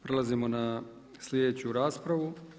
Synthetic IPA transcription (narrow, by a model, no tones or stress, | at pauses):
pɾe̞lˠazimo̞na | slʲjed̪et͡ɕuɾaːspɾaʋu